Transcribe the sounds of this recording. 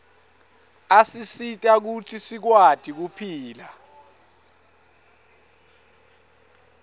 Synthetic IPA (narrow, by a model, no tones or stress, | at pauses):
asisitʼak̬utʰisik̬wad̥ʱik̬upʰiːla